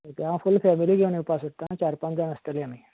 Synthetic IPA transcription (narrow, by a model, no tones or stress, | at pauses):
ət̪jããfulfɛmiliːɡʱeʋneupasot̪ːanat͡ɕaɾpãnd͡z̪anəst̪əleamiː